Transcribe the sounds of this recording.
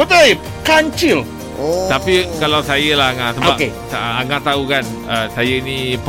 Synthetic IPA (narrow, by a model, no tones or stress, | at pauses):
bət̪əj | kaɲt͡ʃil | t̪apikalawsajəlaaŋaʔsəboakesaŋaʔt̪aukan | əsajəinĩp